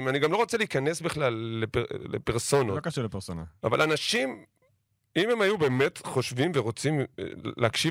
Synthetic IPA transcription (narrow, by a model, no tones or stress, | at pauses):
maniɡamlo̞ʁo̞t͡seliːkane̞sbiχlalːepelḛpeʁso̞nokaʃulepesonaava̰lanaʃim | imemajube̞ːme̞tχo̞ʃvimveʁo̞t͡simleakʃi